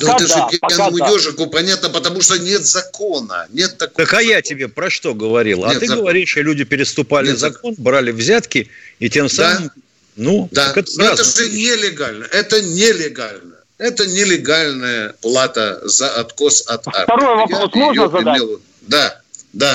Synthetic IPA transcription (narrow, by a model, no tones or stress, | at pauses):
nuɛtt̪əʐɨanmʊjoʐɨkʊpɐnʲat̪nəpət̪ɐmuʂt̪onʲet̪zɐkonə̰nʲet̪ːɐkt̪əkɐjatʲɪbʲe̞pɾɐʂt̪o̞ɡəvɐɾʲḭlˠɐt̪ɨɡəvɐɾʲiʂolʲʉdʲɪpʲɪɾʲɪst̪ʊpalʲɪzɐko̞nbɾalʲɪvzʲat̪kʲɪitʲe̞msamɨm | nud̪akɛt̪nɛazt̪əʐɨnʲelʲɪɡalʲnəʔɛt̪ənʲelʲɪɡalʲnə | ɛt̪ənʲɪlʲɪɡalʲnəjəlˠat̪əzɐɐt̪kosɐt̪fa̰t̪ɐɾojvɐɾaosmojəelˠ | d̪a | d̪a